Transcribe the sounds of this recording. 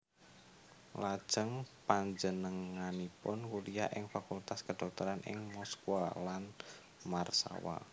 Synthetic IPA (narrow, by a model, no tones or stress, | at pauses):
lad̥ʒ̥əŋpaɲd͡ʒənəŋanipʊnkulija̰ʔɪŋfakult̪askəd̪̥ɔ̤k̚t̪əɾanʔɪ̰ŋmɔskualan | marsa̰wa̰